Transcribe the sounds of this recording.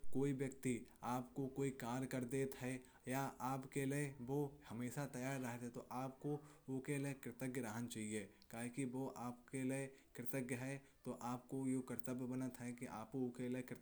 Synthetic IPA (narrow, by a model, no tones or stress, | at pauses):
koːiʋjək̚t̪iaːpkokoːikaːɾkɐɾd̪eːt̪ɦɛ | jaʔaːpkelieʋoːhɐmeːʃat̪ɐjaːɾːɐɦet̪ɦɛt̪oʔaːp̚koʋoːkelekɾɪt̪əɡjəɾəɦənt͡ʃaːɦie | kaːɦekiʋoːʔaːpkeliekɾɪt̪əɡjəɦɛt̪oʔaːpkojokəɾt̪əbbənət̪ɦɛkiʔa̰ːpookelekɾɪt̪